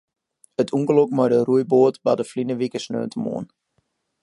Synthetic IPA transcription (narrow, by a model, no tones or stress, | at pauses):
ətʰuŋkəlokmɔjdərujboətbadəflinəʋikəsnø̰ːntəmo̰ən